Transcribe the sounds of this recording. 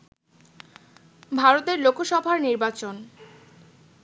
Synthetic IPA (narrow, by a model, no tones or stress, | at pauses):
bʱaɾot̪eɾlokʰoʃɔbʱaɾniɾbat͡ɕon